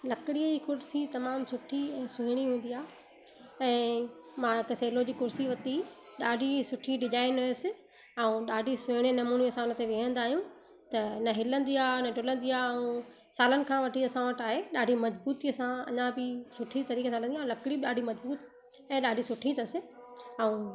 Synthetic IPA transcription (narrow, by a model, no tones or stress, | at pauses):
lɐkɪɽiəd͡ʑikʊɾsit̪ɐmaːmsʊʈʰisʊɦɪɽ̃iɦũːnd̪iaː | ɛ̃ː | mãɪkseːlod͡ʑiːkʊɾsiʋɐt̪i | ɗaːɖʱisʊʈʰiɖɪʄaːɪnɦʊesɪ̆ | ɐũɗaːɖʱisʊ̃ɦɪɽ̃enɐmuːniɐsãʊnə̆t̪eʋɪɦə̃nd̪aːɦijũ | t̪ɐnɐɦɪlə̃nd̪iaːnɐɖʱʊlə̃nd̪iaːɐũ | saːlənɪ̆kʰãːʋɐʈʰiɐsãʋɐʈaːɦeɗaːɖʱimɐd͡ʑbuːt̪iɐsãɐ̰ɲãbɪsʊʈʰit̪ɐɾiːkʰesãɪlə̃nd̪iãːlɐkɪɽiɗaːɖʱimɐd͡ʑbuːt̪ | ɛ̃ːɗaːɖʱisʊʈʰĩt̪ɐsɪ̆ɐũ